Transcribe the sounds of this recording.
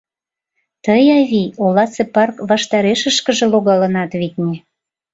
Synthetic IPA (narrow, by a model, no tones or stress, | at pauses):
t̪əjɑβʲiolɑt͡sepɑrkβɑʃt̪ɑɾeʃə̆ʃkə̆ʒĕloɣɑlə̆nɑt̪βiknʲe